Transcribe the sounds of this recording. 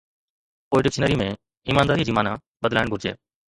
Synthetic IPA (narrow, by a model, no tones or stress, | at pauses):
poːiɖɪkʃnəɾiːmẽː | iːmaːnd̪aːɾiːd͡ʒiːmaːnaː | ɓəd̪la̰ːɪɳɡʱʊɾd͡ʒḛː